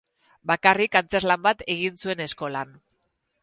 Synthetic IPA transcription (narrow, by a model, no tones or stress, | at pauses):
bakarikant͡se̞zlambat̪eɣ̞insue̞ne̞sko̞lan